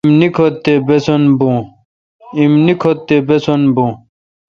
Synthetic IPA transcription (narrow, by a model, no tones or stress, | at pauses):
mnikʰot̪ːebesonbũː | imnikʰot̪ːebesonbũ